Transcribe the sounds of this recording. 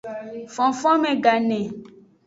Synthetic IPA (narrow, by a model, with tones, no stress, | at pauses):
fɔ̃˨fɔ̃˦mẽ˨ɡa˨nɛ̃˨